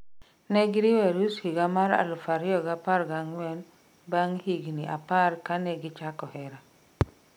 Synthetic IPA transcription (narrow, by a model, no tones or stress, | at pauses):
nɛɡiɾiwɛɾushiɡamaɾa̰lufaɾiɔɡapaɾɡaŋɛn | baŋhiɡniʔa̰paɾkanɛɡit͡ʃakɔhɛɾa